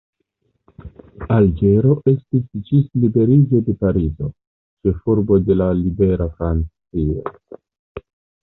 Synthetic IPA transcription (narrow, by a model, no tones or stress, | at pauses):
ald͡ʒe̞ɾo̞ʔe̞stisd͡ʒislibe̞ɾid͡ʒo̞de̞paɾizo̞ | t͡ʃe̞fuɾbo̞de̞lalibe̞ɾafɾant͡sio̰